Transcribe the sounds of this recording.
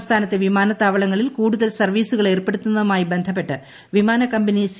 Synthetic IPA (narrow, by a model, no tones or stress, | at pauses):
st̪ʰaːnɐt̪ːe̞ʋimaːnɐt̪ːaːʋɐɭɐŋːɐɭilkuːɽuðɐlsɐrʋiːsuɣɐɭe̞ːrpe̞ɽut̪ːunːɐðumaːjibe̞nd̪ʱɐp̬ːe̞ʈːɨ | ʋimaːnɐkɐmbɐnis